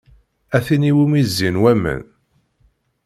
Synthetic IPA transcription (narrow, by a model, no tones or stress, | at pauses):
æθiniwumizːinwæmə̰n